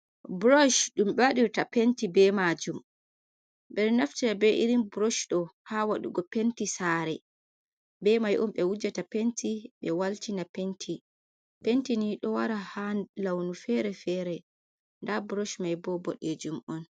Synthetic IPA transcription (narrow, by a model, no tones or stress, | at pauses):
bɾɔʃɗumɓaɗiwtapentibɛmad͡ʒum | ɓɛɾnaftinabɛʔiɾimbɾɔʃɗɔhawaɗṵɡɔpentisaɾɛ | bɛmajʔumɓɛwud͡ʒatapentiɓɛwaltinapentʰi | pentiniɗɔwaɾahalawnufɛɾɛfɛɾɛ | ndabɾɔʃmajbɔbɔɗed͡ʒumʔɔn